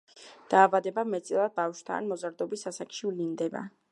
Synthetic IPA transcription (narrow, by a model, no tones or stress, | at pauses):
d̪̥aːvad̪ɛbamɛt̪sʼilˠad̪̚bafʃt̪ʰa̰nmɔzaɾd̪ɔbisasakʼʃiulind̪ɛba̰